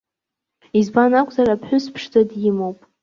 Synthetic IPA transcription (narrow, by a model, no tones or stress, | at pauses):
izbanakʷʼzarapʰħʷᶣʊspʰʂd͡zadjɪmowpʼ